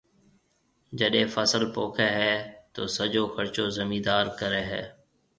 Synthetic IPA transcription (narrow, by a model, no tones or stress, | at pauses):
d͡ʒəɗẽːfəsəlpoːkʰɛːɦɛːt̪oːsəd͡ʒoːxʰəɾt͡ʃoːzəmiːd̪aːɾkəɾɛːɦɛ̰ː